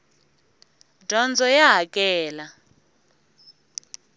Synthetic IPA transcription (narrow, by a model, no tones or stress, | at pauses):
dʱɔnd͡zʱɔjaɦakʼɛːla